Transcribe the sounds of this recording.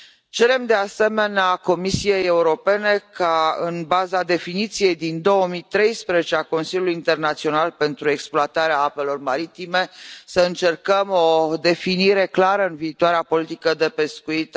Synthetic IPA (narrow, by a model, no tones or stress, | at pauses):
t͡ʃe̞ɾe̞md̪e̞ase̞me̞neako̞misije̞jeuɾo̞pe̞ne̞kaɨnbazad̪e̞finit̪sije̞jd̪ind̪o̞wəmit̪ɾe̞jspɾezet͡ʃeako̞nsilʲjuluiint̪e̞rnat̪sio̞nalpe̞nt̪ɾue̞ksploat̪aɾeaape̞lo̞rmaɾit̪ime̞səɨnt͡ʃe̞rkəmo̞d̪e̞finiɾe̞klaɾəɨnviːt̪uaɾeapo̞lit̪ikəd̪e̞pe̞skuit̪